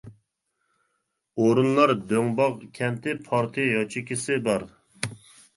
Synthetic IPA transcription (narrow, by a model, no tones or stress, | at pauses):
oɾunlˠɑɾd̪øŋbɑʁkʲʰɛmt̪ʰɪpʰɑɾt̪ʰɨjɑt͡ʃʰɪkʲʰɪsɪbɑɾ